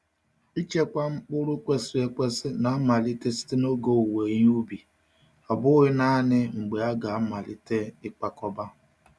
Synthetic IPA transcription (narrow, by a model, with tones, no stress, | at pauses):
i˦t͡ʃe˦kʷa˦ŋ͡m̩˦k͡pʊ˦ɾʊ˦kʷe˦si˦e˦kʷe˦sɪ˦na˨˦ma˨li˦te˦si̥˦te˦no˦ɡo˦˨we˨ɲ˦u˦bi˨ | a˨bʊ˦ɣɪ˦na˦nɪ˦ŋ͡m̩˨ɡ͡be˨a˦ɡa˨˦ma˨li˦te˦ɪ˦k͡pa˨kɔ˦ba˦